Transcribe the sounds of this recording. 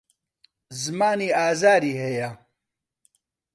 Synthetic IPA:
zmaːniːaːzaːɾiːɦeja

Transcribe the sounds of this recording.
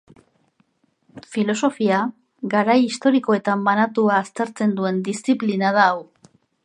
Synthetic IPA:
filo̞so̞fia | ɡaɾajist̪o̞ɾiko̞e̞t̪ambanat̪uaːst̪e̞ɾt͡se̞nd̪ue̞nd̪ist͡siplinaðaːw

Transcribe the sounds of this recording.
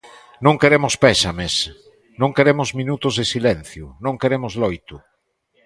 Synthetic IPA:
nõŋkeɾemʊspɛsɐmes | nõŋkeɾemʊzmĩnut̪ʊzðesilɛn̟θjʊnõŋkeɾemʊzlojt̪ʊ

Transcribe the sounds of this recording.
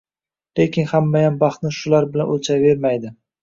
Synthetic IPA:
le̞kʲʰɪnhamːajambɑχt̪nɪʃʊlaɾbɪlanʔot͡ʃʰave̞ɾmajd̪ɪ

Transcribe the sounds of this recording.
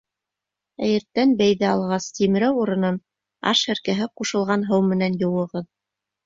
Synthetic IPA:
æjɘ̆ɾt̪ːænbæjðæɑlˠʁɑst̪imɘ̆ɾæwuɾɤ̆nɤn | ɑ̰ʃæ̆ɾkæɦɘquʃɤ̆lˠʁɑnɦɤwmɘ̆nænjɤ̆wɤ̆ʁɤð

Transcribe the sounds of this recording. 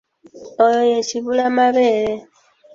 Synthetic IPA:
ojojet͡ʃiβulamaβeɾe

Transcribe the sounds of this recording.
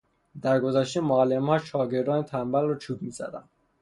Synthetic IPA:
d̪æɾɡozæʃt̪emoælːemhɒːʃɒːɟe̞ɾd̪ɒːnet̪ʰæmbælrɔt͡ʃʰuːbmiːzæ̰d̪æ̰n

